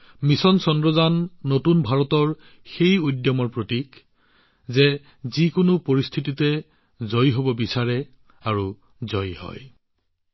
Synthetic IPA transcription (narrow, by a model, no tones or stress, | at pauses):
misɔnsɔndɹɔzanːotunbʱaɹɔtɔɹ | xejojdjɔmɔɹpɹotik | zɛ | zikʊnʊpoɹist̪ʰititɛ | zojɦobɔbisaɹɛ | aɹu | zɔjhɔ̰j